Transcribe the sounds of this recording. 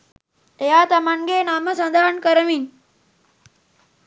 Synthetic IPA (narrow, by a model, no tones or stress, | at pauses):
ejaːt̪ɐmaŋɡeːnaːməsɐnd̪ʱaːɳkəɾəmin